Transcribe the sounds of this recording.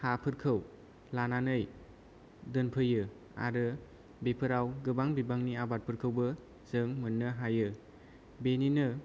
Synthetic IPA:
hapʰɯɾkʰɯw | lananɯj | dɯnpʰɯjɯ | a̰ɾɯ | bepʰɯɾawɡɯbaŋbibaŋniabat̚pʰɯɾkʰɯwbɯ | zɯŋmɯnːɯɦajɯ | beninɯ

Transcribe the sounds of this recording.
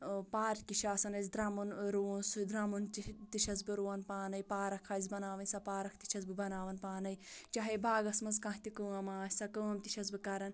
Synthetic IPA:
paːɾkiʃaːsɐnɐzʲid̪ɾɐmunɾuːnsud̪ɾɐmuntit̪iʃɐzbɨɾuːɐnpaːnɐjpaːɾɐkʰɐzʲbɐnaːʋɐnʲsɐpaːɾɐkʰt̪i̥ʃʰɐzbɨbɐnaːʋɐnpaːnɐjt͡ʃaɦebaːɡɐsmɐzkɐ̃ɦi̥t̪ikəːɐmaːsisɐkəːɐmt̪i̥ʃʰɐsbɨkɐɾɐn

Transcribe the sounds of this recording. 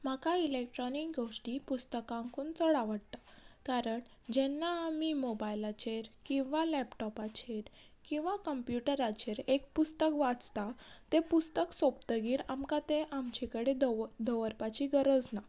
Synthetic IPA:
m̤akailek̚ʈɾɔnikɡoʂʈipust̪əkãŋkuːnt͡sɔɽaʋəɽt̪ḁkaɾəɳ | d͡ʑɛnːamimobajlat͡ɕeɾkĩw̃ʋalɛpʈɔpat͡ɕeɾ | kĩw̃ʋakəmpjuʈəɾat͡ɕeɾekpust̪əkʋat͡st̪at̪epust̪əksopt̪əɡiːɾamkat̪eʔamt͡ɕekəɽed̪əʋəɾpat͡ɕiɡəɾəd͡zna

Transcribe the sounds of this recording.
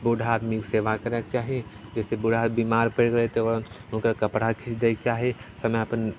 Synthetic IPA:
bʊɖʱaːd̪mikseːʋakəɾək̚t͡ʃaːɦied͡ʒɛːsebʊɖʱaːt̪bimaːɾpekɾəet̪ʰeɔɾ̃kakɐpɽakʰɪt͡ʃd̪eːk̚t͡ʃaːɦiesɐmeəpən

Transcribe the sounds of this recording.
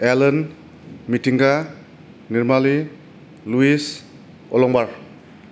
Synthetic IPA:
elɔn | mitiŋɡa | niɾmali | luis | ɔlɔŋbaɾ

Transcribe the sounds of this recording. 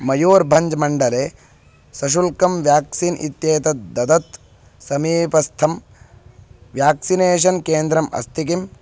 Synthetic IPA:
mɐjoːɾbʱɐɲd͡ʒmɐɳɖɐleː | sɐʃ̬ulkɐmʋjaːksiːnʔḭt̪jeːt̪ɐd̪ɐd̪ɐt̪ | sɐmiːpɐst̪ʰɐm | ʋjaːksineːʃ̬ɐnkeːnd̪ɾɐmɐ̰st̪ʰikim

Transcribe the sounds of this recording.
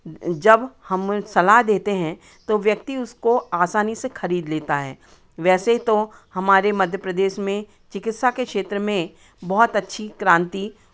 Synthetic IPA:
d͡ʒɐbhɐmsɐlaɦd̪eːt̪eɦɛ̃ | t̪oʋjɐkt̪iʊskoaːsaːnisexɐɾiːd̪leːt̪aɦɛ̰ː | ʋɛːseit̪ohɐmaːɾemɐd̪ʱjəpɾɐd̪eːʃmẽ | t͡ʃɪkɪt̪sakekʃeːt̪ɾəmẽ | bɐɦʊt̪ɐtːʃʰikɾãːnt̪i

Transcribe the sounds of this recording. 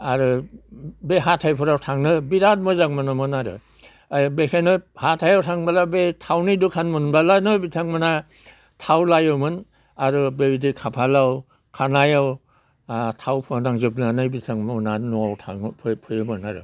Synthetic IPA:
aɾu | beɦatʰajpʰuɾawtʰaŋnɯbiɾat̚mɯzaŋmɯnɯmɯnaɾɯ̰ | bekʰenɯhatʰajawtʰaŋbalabetʰawnidukʰanmɯnbalanɯbitʰaŋmana | tʰawlajɯwmɯn | aɾubebidikʰapʰalaw | kʰanajaw | tʰawpʰɯnaŋzɯp̬̚nanɯjbitʰaŋmɔnanɔawtʰa̰ŋpʰpʰɯjɯmɯnaɾɯ̰

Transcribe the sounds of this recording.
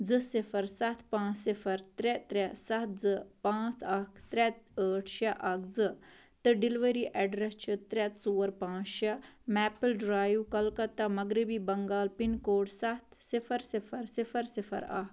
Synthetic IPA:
d͡zɨsifʰɐɾsɐt̪ʰpãːt͡sːifʰɐɾt̪ɾɛt̪ɾɛsɐt̪d͡zɨpãːt͡sɐkʰt̪ɾɛt̪əːʈʰʃɐʔɐkʰd͡zɨ | t̪ɨɖiliʋəɾiʔɛɖɾɐst͡ʃʰɨt̪ɾʲɛt̪t͡suːɐɾpãːt͡ʃʃɐmɛːpəlɖɾaːjuwkɐlkɐt̪ːamɐɡɾibiːbɐŋɡaːlpinkoːʈsɐt̪ʰsifʰɐɾsifʰɐɾsifɐɾsifʰɐ̰ɾɐ̰k

